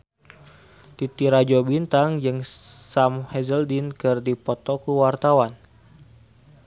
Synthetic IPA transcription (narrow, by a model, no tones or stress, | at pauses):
t̪it̪iɾad͡ʒɔbint̪aŋd͡ʒɨŋsamhɛzəldinkɨrdipɔt̪ɔkuwart̪awan